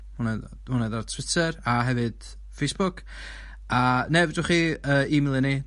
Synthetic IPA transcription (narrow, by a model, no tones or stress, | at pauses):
hʊnɛ | hʊnɛðartʰw̥ɪtʰəɾaɦɛvɨd̥ | fejsb̥ʊkʰ | anɛvdʊχiəːimɪlˠɪni